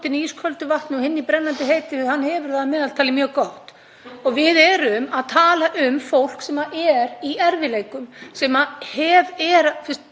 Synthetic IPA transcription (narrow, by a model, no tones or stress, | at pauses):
t̪ɪniːskʰœlt̪ʏvaht̪nɔhɪnːipɾɛnːant̪ɪɦeːjt̪ɪhanːhɛvʏɾ̥θaðamɛːðalt̪ʰaːlɪmjœːɣkawht̪ | ɔɣvɪðɛɾʏmaðt̪ʰaːlaʔʏmfowl̥ksɛmaʔɛɾiɛɾvɪleːjkʏmsɛːmahɛvɛɾaθɪs